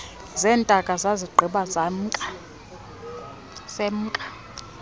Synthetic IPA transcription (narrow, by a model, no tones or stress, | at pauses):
zɛːntʼakʼazaziɡ͡ǃʱiɓazam̩ʼ | sem̩ːkʼḁ